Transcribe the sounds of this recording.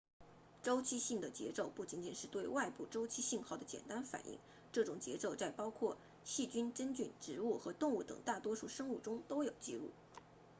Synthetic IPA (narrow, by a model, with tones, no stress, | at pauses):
ʈ͡ʂo˥ʊt͡ɕʰi˥ɕi˥˩ŋd̪ə˩t͡ɕjɛ̰˧˥t͡so˥˧ʊpu˥˩t͡ɕi˧˥nt͡ɕi˨˩nʂɻ̩˥˧t̪we˥˧ɪwa˥˧ɪpu˥˩ʈ͡ʂo˥ʊt͡ɕʰi˥ɕi˥˧nxɑ˥˩ʊd̪ə˩t͡ɕjɛ̰˨˩nt̪a˥nfa̰˨˩nʔḭ˥˩ŋ | ʈ͡ʂɤ˥˩ʈ͡ʂʊ˨˩ŋt͡ɕjɛ̰˧˥t͡so˥˧ʊt͡sa˥˩ɪpɑ˥ʊkʰwɔ˥˧ | ɕi˥˩t͡ɕy˥nʈ͡ʂə˥nt͡ɕy˥˩nʈ͡ʂɻ̩˧˥u˥˩xɤ˧˥t̪ʊ˥˧ŋu˥˩t̪ɤ̰˨˩ŋt̪a˥˩t̪wɔ˥ʂu˥˩ʂɤ˥ŋu˥˩ʈ͡ʂʊ˥ŋt̪o˥ʊjo˨˩ʊt͡ɕi˥˧lṵ˥˩